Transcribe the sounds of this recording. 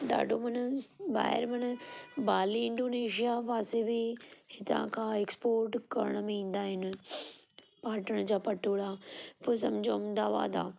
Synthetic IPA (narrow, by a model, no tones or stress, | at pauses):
ɖa̰ːɖomɐnba̰ːɦɪ̰ɾmɐnbaːliɪ̃ɳɖoːneːʃijaʋaːsebɪhɪt̪ã̰kʰãeːkspoːɾʈkɐ̰ɾəɽ̃əmẽĩːn̆d̪aːɦɪnɪ̆ | paːɾʈəɽ̃d͡ʑaːpɐʈʰoːɽapʊs̬ɐmd͡ʑʱoɐmd̪aːʋa̰ːd̪a̰ː